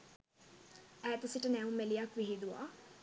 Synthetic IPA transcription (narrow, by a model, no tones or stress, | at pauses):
æːt̪usiʈənæumelijakʋiɦid̪uʋa̰